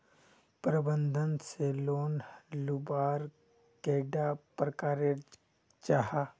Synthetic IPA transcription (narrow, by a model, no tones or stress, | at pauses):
pɾəbə̃nd̪ʱənseloːnlubaːɾ | keːɖapɾəkaːɾe | t͡ʃaɦa